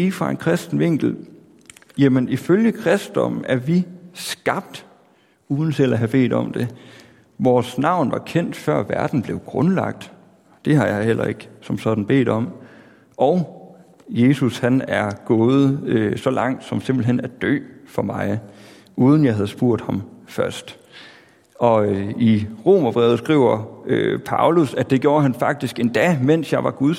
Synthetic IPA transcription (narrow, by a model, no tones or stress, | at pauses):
ifʁɑ̈e̝nkʰʁɛsd̥n̩ʋe̝ŋ̰ɡ̥l̩ | jæməniføljəkʰʁɛsd̥ɒ̽mæɐʋisɡ̥ɑ̈b̥̚d̥ | uːðˠn̩sʰelæɦæb̥e̝̰ːd̥ɒ̽md̥e̝ | ʋɒːsnɑ̈ʊ̰nʋɑ̈kʰen̰d̥fɶɐ̰ʋæɐd̥n̩b̥le̝ʊɡ̥ʁɔ̽nlɑ̈ɡ̥̚d̥ | d̥e̝ɦɑ̈jɑ̈ɪhel̰ʔɐ̰e̝ɡ̥sɒ̽msɒ̽d̥n̩b̥e̝̰ːd̥ɒ̽m | ʔɒʊ | je̝ːsushænæɐɡ̥ɔ̽ːð̞̩ˠøsɒ̽lɑ̈ŋ̰d̥sɒ̽mse̝mb̥l̩ɦen̰æ̥d̥ø̰ːfɒ̽mɑ̈ɪ | uːð̞ˠn̩jɑ̈ɪɦæð̞̩ˠsb̥uɐ̰d̥hɑ̈mfɶɐsd̥ | ʔɒ̽iʁo̝ːmɐb̥ʁɛːʊð̩ˠsɡ̥ʁḭʊ̰ɐøpʰɑ̈ʊlusæd̥d̥e̝ɡ̥jo̝ːɐɦænfɑ̈ɡ̥̚d̥isɡ̥e̝nd̥ɛ̰ːmen̰sjɑ̈ɪʋɑ̈ɡ̥uðˠ